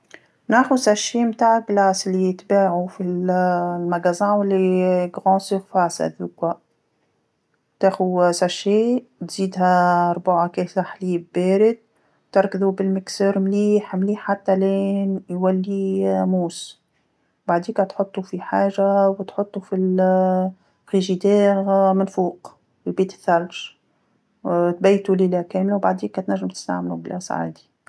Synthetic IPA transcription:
næːxusæʃːeːmt̪aːʕaɡlaːsɪlːit̪baːʕufillmæɡæzãːwɪlːiɡɣɑ̃ːsiffaʕsʔæ̰ðuːkwa | t̪æxusæʃːeː | t̪z̥iːd̪ɦæɑɾˤbaʕakɛsaħliːbbeːɾɪd̪̚ | t̪ɪɾˤkðubɪlmɪksəɾmliːħmliːħːat̪ːælɛːnjwælːimuːs | baʕd̪iːkɛt̪ħot̪ˤːufiħaːʒawt̪ħot̪ˤːufil | xiʒid̪ɛːɣmɪnfuːq | ɪlbiːt̪ɪ̥θːælʃ | t̪̚bæjt̪ulilækɛːmlawbaʕd̪iːkːɛt̪næʒːɪmt̪ə̥st̪a̰ʕmlublʔæsa̰ʕa̰ːd̪i̥

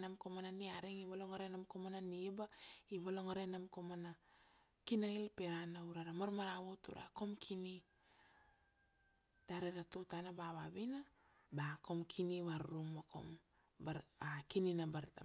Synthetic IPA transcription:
namkomananiaɾeŋiβaloŋaɾenamkomananibaiβaloŋaɾenamkomana | kinailpeɾanauɾaɾamaɾmaɾaβotṵɾa̰ko̞mkʰini | d̥aɾeɾatotanabaβaβina | bako̞mkʰiniβaɾɾuŋmako̞̰m | baakininabaɾta

